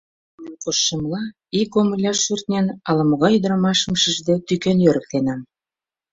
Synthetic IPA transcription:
nenqoʃːɤmlɑ | ikoməlʲɑʃurt̪nʲenɑlə̆mɣɑyd̪̆ɾɑmɑʃə̆mʃəʒd̪et̪ykenjøɾə̆k̚t̪enɑm

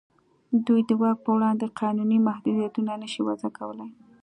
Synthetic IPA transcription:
d̪ujd̪əwɑɡ̚pəwɽɑnd̪eqʰɑnunimahd̪ud̪ijat̪unanəʃiwazakawəlaj

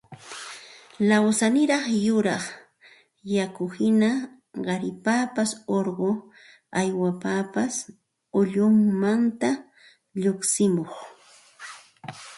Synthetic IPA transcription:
lawsanɪɾɑχjʊɾɑχ | jakʊhɪna | ɢɑɾɪpaːpasoɾɢo | ajwapapas | ʊʎʊmːant̪a | ʎoksɪmoχ

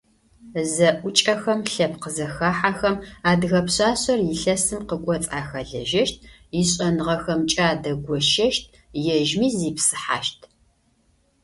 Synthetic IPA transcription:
zɐʔʷʊt͡ʃʼɐxɐmɬɐpqəzɐxaːħaxɐmaːdɣɐpɕaːɕɐrjɪɬɐsɨmqəkʷʼɔt͡sʼaːxɐɮɐ̰ʒɐʃt̚ʰ | jɪɕʼɐnɨʁɐxɐmt͡ʃʼaːdɐɡʷɔʃɐʃt̚ʰ | jɛʒmiːziːpsɨ̥ħa̰ːʃtʰ

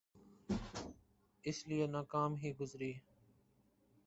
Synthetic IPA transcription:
ɪslijenaːkaːmɦiːɡʊzɾiː

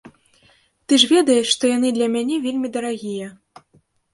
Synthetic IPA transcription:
t̪ɨʐvʲɛd̪ɐjɛʂʂt̪ɔjan̪ɨd̪lʲɐmʲanʲɛvʲelʲmʲid̪ɐɾaɣʲijɐ

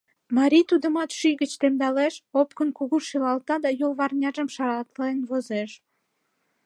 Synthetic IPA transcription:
mɑɾʲit̪ud̪əmɑt̪ʃyjɣət͡ɕt̪emd̪ɑleʃopkənkuɣuʃylɑlt̪ɑd̪ɑjolβɑrnʲɑʒəmʃɑɾɑt̪lenβozeʃ

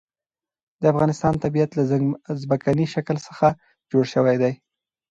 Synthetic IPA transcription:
d̪̥əafɣɑnɪst̪ɑnt̪abijat̪lazbakaniʃakəlsəxa | d͡ʒoɽʃəwajd̪aj

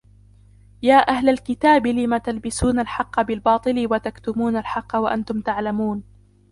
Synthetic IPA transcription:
jaːʔahlalkɪt̪aːbɪlɪmat̪albɪsuːnalħɑqːɑbɪlbɑːt̪ˤɨlɪwat̪akt̪ʊmuːnalħɑqːɑwaʔant̪ʊmt̪aʕlamuːn

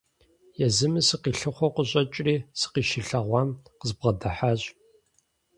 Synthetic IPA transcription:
jɛzɨmɨsɨqiːɬɨχʷɔqəɕʼɐt͡ʃʼriːsɨ̥qiːʃɪɬɐʁʷɑmqəzbʁɐdɐħaːɕʼ

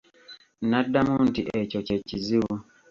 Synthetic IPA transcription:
nadːamuntiʔɛcoceciziwu

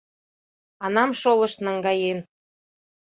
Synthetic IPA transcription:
ɑnɑmʃolɤ̆ʃt̪nəŋɡɑjen

